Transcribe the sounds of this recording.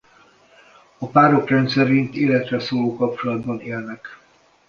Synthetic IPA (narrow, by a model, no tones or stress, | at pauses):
ɒpaːɾo̞krɛnt̪sɛɾint̪eːlɛt̪rɛsoːloːkɒp̚t͡ʃo̞lɒd̪bɒneːlnɛk